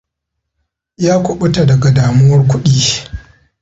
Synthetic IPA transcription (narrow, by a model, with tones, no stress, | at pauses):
jaː˦kʷʊ˨ɓʊ˦ta˨dɐ˨ɡa˨daː˨mu˦wɐ˦rkʷʊ˦ɗiː˦